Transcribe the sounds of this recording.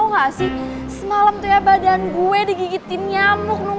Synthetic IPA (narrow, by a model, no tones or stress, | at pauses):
ɦasɪh | səmalamt̪ujabadanɡuɛdiɡiɡit̪ɪniamʊk̚nʊ